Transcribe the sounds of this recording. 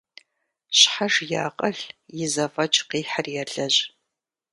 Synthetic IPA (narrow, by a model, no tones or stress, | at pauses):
ɕħaʐja̰ːqʼɐɬjɪzɐfɐt͡ʃʼqiːħarjɛɮɐʑ